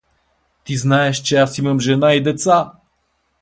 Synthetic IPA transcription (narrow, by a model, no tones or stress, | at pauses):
t̪iznaɛʃt͡ʃɛasimamʒɛnaid̪ɛt̪sa